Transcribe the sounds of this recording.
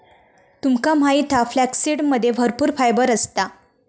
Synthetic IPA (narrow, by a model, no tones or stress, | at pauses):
t̪umkam̤ait̪ʰaflæksiɽməd̪ʱːjebʱəɾpuːɾfajbəɾəst̪a